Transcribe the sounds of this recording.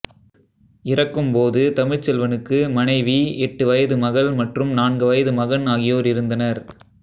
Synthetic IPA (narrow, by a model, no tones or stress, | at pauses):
ɪrɐkːɯmpoːðɯt̪ɐmɪɻt͡ʃɛlʋɐnɯkːɯmɐnɐɪʋiɛʈːɯʋɐjɐðɯmɐɣɐɭmɐʈrɯmnaːɳɡɯʋɐjɐðɯmɐɣɐnaːɣɪjoːɾɪɾɯnd̪ɐnɐɾ